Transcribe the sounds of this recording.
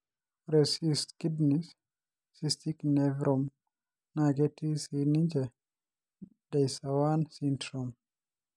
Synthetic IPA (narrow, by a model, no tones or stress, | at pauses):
ɾesistkidnisː | ist̪iknɛvɾʔɔm | naɡetisinind͡ʒɛ | d̥ajsawansintɾom